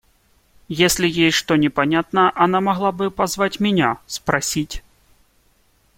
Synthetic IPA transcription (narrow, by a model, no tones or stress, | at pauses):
jesʲlʲijejʂt̪ɔnʲɛpanʲat̪nɐʔanamaɣlˠabɨpazvat͡sʲmʲɪnʲaspɾasʲit͡sʲ